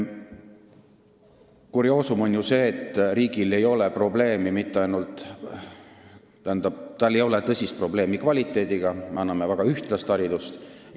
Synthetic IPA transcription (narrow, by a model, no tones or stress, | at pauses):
kuɾio̞ːsumo̞nʲjuse̞ːt̪ːˑɾiːɡ̥ile̞jo̞le̞pro̞ble̞ːmimit̪ːˑeɑjnult̪ˑ | t̪æhænd̪̥ɑb̥̚t̪ɑlːe̞jo̞let̪ɤsʲist̪̚pro̞ble̞ːmikvɑlʲit̪ˑːe̞ːd̪̥iɡ̥ɑmeɑnːɑme̞væɡ̥ɑyht̪lɑst̪ɑɾid̪ust̪